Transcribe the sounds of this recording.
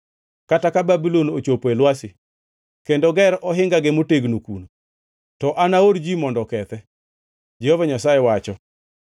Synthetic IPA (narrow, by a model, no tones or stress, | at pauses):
katakababilonot͡ʃopoelwasɪ | kendoɡɛɾɔɦɪŋɡaɡɪmoteɡnokuno | tɔʔanaoɾd͡ʒimɔndɔkɛt̪ɛ | d͡ʒɛhovaɲasajɛwat͡ʃɔ